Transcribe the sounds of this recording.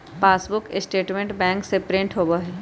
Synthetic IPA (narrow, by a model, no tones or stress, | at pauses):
paːsbʊkɪsʈeːʈmẽɳʈbɛ̃ːŋksepɾɪ̃ɳʈɦoːbəɦɛ